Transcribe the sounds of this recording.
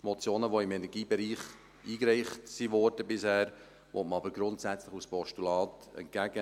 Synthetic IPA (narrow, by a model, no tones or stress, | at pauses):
mɔt͡sjoːnəʋɔɪmɛnɛɾɡiːbɛɾiːχ | ʔiːkɾɛɪχtsiʋɔɾd̥əbɪshæːɾ | ʋɔtməɑbəɾɡɾʊntsæt͡sləχuspɔʃtulɑːtɛ̰nt̚kæɡ̥ə